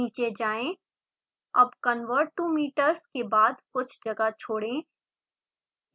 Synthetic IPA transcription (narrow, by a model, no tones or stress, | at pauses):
iːt͡ʃed͡ʒaːẽː | ɐ̰bkənʋəɾʈumiːʈəɾskebaːd̪kʊt͡ʃʰd͡ʒɐɡat͡ʃʰoːɽẽː